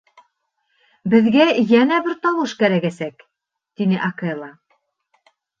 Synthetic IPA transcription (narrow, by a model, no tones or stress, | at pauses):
bɘ̆ðɡæjænæbɘɾt̪ɑwɤʃkæɾækæsæk | t̪inɘʔɑkelˠɑ